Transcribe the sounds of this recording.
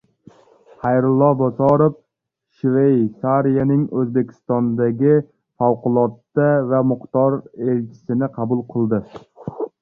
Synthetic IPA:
hajɾʊlˠːɒbɒsɒɾof | ʃvejsaɾijanɪŋɵzbe̞kʲʰɪ̥st̪ɒnd̪aɡʲɪ | fawqʊlˠɒt̪ːavamʊχt̪ɒɾe̞lt͡ʃʲʰɪ̥sɪnɪqʰɑbʊlˠqʰɨlˠd̪ɪ

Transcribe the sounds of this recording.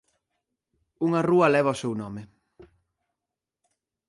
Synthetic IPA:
uŋɐruɐlɛβ̞ɐosewnɔmɪ

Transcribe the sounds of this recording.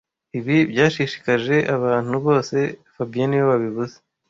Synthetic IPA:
iβibjaːʃiʃi̥kaʒe̞ʔaβaːn̥huβo̞ːse̞fabijanijoβaβiβuze

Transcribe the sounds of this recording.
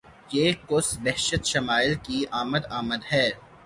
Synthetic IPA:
jeːkʊsbɛɦʃət̪ʃɐmaːɪlkiaːməd̪aːməd̪ɦɛː

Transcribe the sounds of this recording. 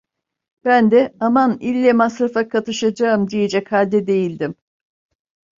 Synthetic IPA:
b̥ænd̪ɛamanilʲːɛmasɾafakʰat̪ʰɯʃad͡ʒaɯmd̪ijed͡ʒɛchalʲd̪ɛd̪e̞jilʲd̪im

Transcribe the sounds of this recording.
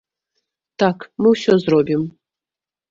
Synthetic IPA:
t̪akmɨwɕozrobʲim

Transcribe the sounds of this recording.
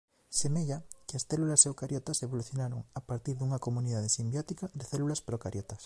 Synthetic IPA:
semeʎakeasθelulasewkaɾjot̪aseβoluθjonaɾoŋapaɾt̪iɾðuŋakomũniðað̞esimbjot̪ikaðeθelulaspɾokaɾjot̪as

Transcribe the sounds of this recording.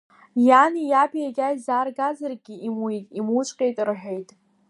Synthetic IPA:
janijapʰʼijaɡʲajzaːrɡazarɡʲiimwitʼimut͡ʃʷʼqʲʼe̞jtʼrħʷᶣejtʼ

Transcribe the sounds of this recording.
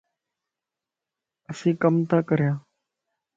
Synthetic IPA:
əsĩːkəmt̪ãːkəɾjãː

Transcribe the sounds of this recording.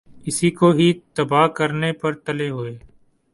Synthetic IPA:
ɪsiːkoːɦiːt̪əbaːkəɾnepəɾt̪əleːɦʊeː

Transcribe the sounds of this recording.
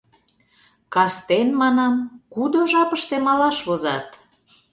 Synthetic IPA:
kɑst̪enmɑnɑmkud̪oʒɑpəʃt̪emɑlɑʃβozɑ̰t̪

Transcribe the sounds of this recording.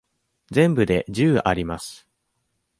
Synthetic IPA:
d͡zẽ̞mbɯ̟d̪e̞ʑɨːʔaɾʲimasɨ̥

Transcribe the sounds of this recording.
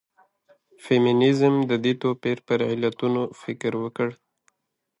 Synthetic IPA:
femɪnɪzmd̪əd̪it̪opeɾpəɾɪlat̪unofɪkɾwəkəɽ

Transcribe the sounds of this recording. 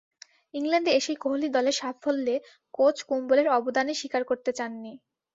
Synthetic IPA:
iŋlanɖeeʃejkoɦolid̪ɔleɾʃafʰolːe | kot͡ɕkumboleɾɔbod̪aneʃikaɾkoɾt̪et͡ɕanːi

